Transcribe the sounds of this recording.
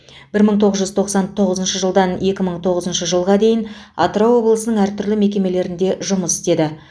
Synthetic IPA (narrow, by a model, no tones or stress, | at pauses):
b̥ɪɾməɴt̪ʰo̞ʁəzʒʏzt̪ʰo̞qsɑnt̪ʰo̞ʁəzənʃəʒəlˠd̪ɑnje̞kʲɪməɴt̪ʰo̞ʁəzənʃəʒəlˠʁɑd̪e̞jɪnɑ̰t̪ɾowo̞blˠəsənəɴæɾt̪ʰʏɾlɪme̞kʲe̞me̞le̞ɾɪnd̪e̞ʒʊməsɪ̥st̪e̞d̪ɪ